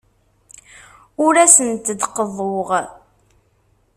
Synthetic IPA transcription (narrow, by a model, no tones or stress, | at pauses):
ʊɾæsənt̪əd̪qəðˤoʁ